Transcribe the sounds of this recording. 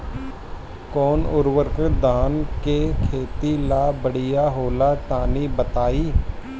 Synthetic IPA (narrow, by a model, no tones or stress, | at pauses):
kɔːnʊɾwəɾkɾɪd̪aːnkekʰeːt̪ilabəɽ̤ijaɦoːlat̪aːnibət̪aːiː